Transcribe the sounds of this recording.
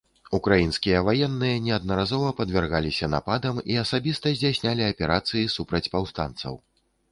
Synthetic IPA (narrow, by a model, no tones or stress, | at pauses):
ukɾajinskʲijɐvajɛnːɨjɐnʲɛɐd̪̚nɐɾazɔvɐpɐd̪vʲɛrɣalʲisʲɐna̰pad̪ɐmiɐsabʲist̪ɐzʲd͡zʲasʲnʲalʲiɐpʲɛɾat̪sɨjisupɾɐt͡sʲpawst̪a̰nt̪sɐ̰w